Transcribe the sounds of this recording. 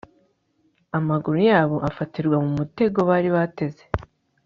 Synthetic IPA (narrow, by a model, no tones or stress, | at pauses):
amaɡuɾujaːβo̞ʔafatiɾɡwamumute̞ɡo̞βaːɾiβate̞ze̞̥